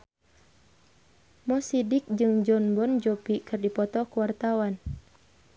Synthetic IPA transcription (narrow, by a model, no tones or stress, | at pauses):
mɔsidik̚d͡ʒɨŋd͡ʒɔnbɔnd͡ʒɔpikɨrdipɔt̪ɔkuwart̪awan